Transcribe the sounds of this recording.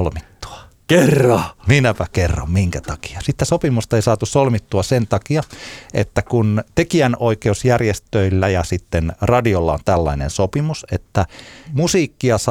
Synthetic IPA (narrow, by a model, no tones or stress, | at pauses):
lmit̪ːu̥ɑ̥ | kerːɑminæpækerːo̰mmiŋkæt̪ɑki̥ɑsit̪ːesopimust̪ɑeisɑːt̪ussolmit̪ːuɑsent̪ɑkiɑḛt̪ːækunt̪ekiænoikeusjærjest̪øilːæjɑsit̪ːenrɑdiolːɑ̰o̰nt̪ælːɑ̰inḛnsopimusḛt̪ːæmusiːkːiɑs